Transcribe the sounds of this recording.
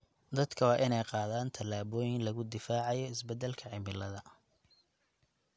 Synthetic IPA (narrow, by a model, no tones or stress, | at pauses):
d̪ɐd̪kʰɐwɑːʔɪnɛjqɑːðaːnt̪ʰɐlaːβɔːjɪŋlɐɣʊd̪ɪfaːʕɑjɔɪsbɛd̪ɛlkʰɐʕɪmɪlɐðɐ